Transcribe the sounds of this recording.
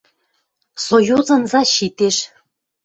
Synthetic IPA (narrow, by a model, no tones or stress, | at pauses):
sojuzɤ̆nzɑɕit̪eʃ